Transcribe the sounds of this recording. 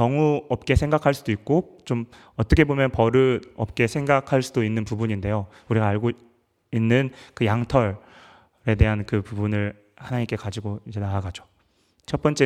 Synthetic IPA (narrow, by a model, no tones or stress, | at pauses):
kʌŋuʌp̚k͈e̞sʰe̞ŋɡakʰaɭs͈udoik̚k͈ot͡ɕom | ʌt͈ʌkʰe̞bomjʌnpʌɾɯʌp̚k͈e̞sʰeŋɡakʰaɭs͈udoinːɯnpubuɲinde̞jo | uɾiɡaaɭɡo | inːɯnkɯjaŋtʰʌɭ | ɾe̞de̞ɦankɯpubunɯɭ | hanaɲimk͈e̞kad͡ʑiɡoid͡ʑe̞naaɡad͡ʑo̥ | t͡ɕʰʌt̚p͈ʌnt͡ɕ͈e